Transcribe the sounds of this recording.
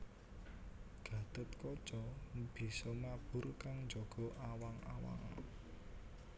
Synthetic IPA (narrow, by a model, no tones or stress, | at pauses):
ɡ̥ä̤d̪̥ət̪kɔd̥ʒ̥ɔb̥i̤sɔmab̥ʊrkaŋnd͡ʒɔɡ̥ɔ̤ʔawaŋa̰wa̰ŋ